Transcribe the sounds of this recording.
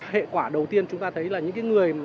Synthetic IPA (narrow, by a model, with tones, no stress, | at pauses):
hḛ˧˨kwaː˧˩ɗə˨˩wt̪i˧ənt͡ɕʊ˨˦ŋ͡mt̪aː˧t̪ʰə˨˦jlaː˨˩ɲɨ̰˧˥ŋkaː˨˦jŋɨ˨˩əj